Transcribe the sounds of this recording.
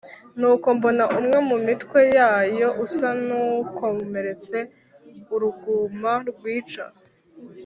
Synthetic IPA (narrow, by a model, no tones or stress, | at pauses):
nuːko̞mbo̞naʔumŋe̞mumitkwe̞jaːjo̞ʔusanuko̞me̞ɾe̞t͡se̞ | uɾuɡumaɾɡwiːt͡ʃa̰